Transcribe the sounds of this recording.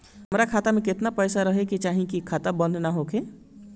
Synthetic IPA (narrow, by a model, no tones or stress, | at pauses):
ɦəmɾakʰaːt̪amẽkɪt̪napəjsaɾəɦeket͡ʃaːɦĩkikʰaːt̪abə̃nd̪naɦokʰe